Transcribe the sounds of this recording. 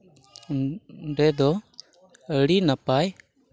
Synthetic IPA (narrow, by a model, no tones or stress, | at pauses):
ɳɖɛd̪ɔ | əɽinapaj